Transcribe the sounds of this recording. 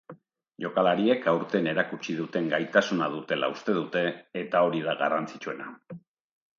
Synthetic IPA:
ʝo̞kalaɾie̞kawɾt̪e̞ne̞ɾakut͡ʃiðut̪e̞ŋɡajt̪asunað̞ut̪e̞la̰ust̪e̞ðut̪e̞ːt̪ao̞ɾið̞aɣarant͡sit͡ʃue̞na̰

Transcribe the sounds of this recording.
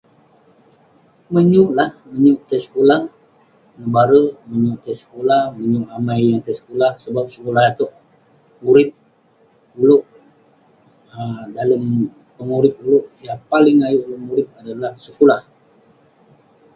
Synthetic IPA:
məɲuʔlahməɲʊʔt̪əsə̥kulah | nəbaɾəməɲuʔt̪əsə̥kulahməɲuʔamajaŋt̪əsə̥kulahsəbap̚səkulahat̪oʔ | uɾɪp̚ | uluʔ | ədaləm | pəŋuɾɪp̚ulʊʔt̪iapalɪŋajuʔləmuɾɪp̚adalahsəkulah

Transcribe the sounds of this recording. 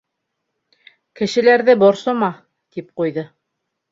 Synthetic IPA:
kɘ̆ʃɘ̆læɾðɘbɒɾsɤmɑ | t̪ip̚qujðɤ

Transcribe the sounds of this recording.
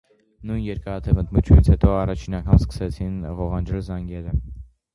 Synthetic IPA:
nujnjɛɾkɑɾɑt̪ʰɛvənt̪mut͡ʃʰjunit͡sʰhɛt̪ɔɑrɑt͡ʃʰinɑŋkʰɑmskə̥sɛt͡sʰinvɔʁɑnd͡ʒɛlzɑŋɡɛɾə

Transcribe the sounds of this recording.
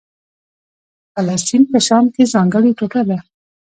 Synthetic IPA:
falɑst̪inpəʃɑmkezɑŋɡəɽeʈoʈad̪a

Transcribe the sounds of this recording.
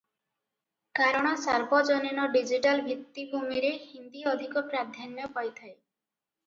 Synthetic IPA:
kaɾɔɽ̃ɔsaɾbɔd͡ʒɔninɔɖid͡ʒiʈalbʱit̪ːibʱumiɾehind̪iɔd̪ʱikɔpɾad̪ʱjanjɔpɔjt̪ʰaj

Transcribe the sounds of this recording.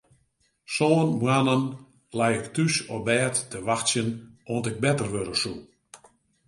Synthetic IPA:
soːnmwanən | lɛjɪktysɔbɛːtːəʋaxsjənontɪk̚bɛtərʋøɾəsu

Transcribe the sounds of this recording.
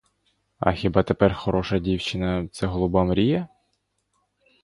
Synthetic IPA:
ɐ̰xʲibɑt̪epɛrxɔɾɔʃɐdʲiwt͡ʃɪnɐt̪sɛɦɔlˠʊbamɾʲijɐ

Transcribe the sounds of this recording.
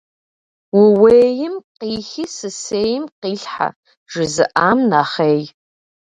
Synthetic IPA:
wʊweːjɪmqiːxisɨseːjɪmqiːɬħa̰ | ʒ̥ɪzɨʔaːmnaːχeːj

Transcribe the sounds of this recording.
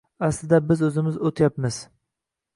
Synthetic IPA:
æslɪd̪ɛbɪzɵzɪmɪzot̪ʰɪjɑpmɪz̥

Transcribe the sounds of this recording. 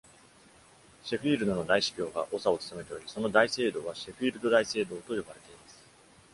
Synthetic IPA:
ɕe̞ɸiːɾɯ̟d̪o̞no̞d̪aiɕi̥pʲo̞ːɡaʔo̞sao̞t͡sɨ̥t̪amet̪ejoɾʲiso̞no̞d̪aise̞ːd̪o̞ːβaɕeɸiːɾɯ̟d̪o̞d̪aise̞ːd̪o̞ːt̪o̞jo̞baɾe̞t̪e̞imasɨ̥

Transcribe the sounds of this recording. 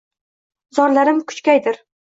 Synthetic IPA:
zɒɾlaɾɪmkʰʊ̥t͡ʃkʲajd̪ɪɾ

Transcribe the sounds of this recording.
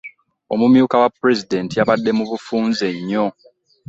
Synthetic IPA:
omumjuːkawapːɾe̞zide̞ntijaβadːe̞muβufuːnze̞ɲːo̞

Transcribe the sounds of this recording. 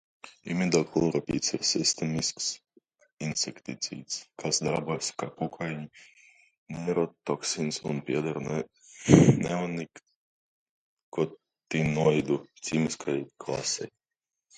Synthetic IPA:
ḭmid̪aklˠuɾapʲḭːt̪siɾsist̪emisks | insekt̪it̪sḭːt̪skʰasd̪aɾbuɔjskakukʰajɲi | nɛɾɔt̪ɔksinsṵnpʲiɛd̪aɾ | nɛɔnik | kɔ | t̪inuɔid̪ut̪sʲiːmiskʰajklˠa̰sɛj

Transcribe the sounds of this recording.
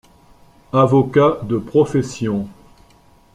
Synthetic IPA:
avɔkad̪əpχɔfɛsjɔ̃

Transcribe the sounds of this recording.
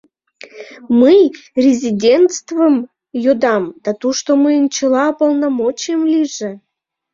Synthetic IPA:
mɨjrʲezʲidʲent̪st̪vəm | jod̪ɑmd̪̥ɑt̪uʃt̪omɨnt͡ɕelɑpolˠnɑmot͡ɕemlʲiʒĕ

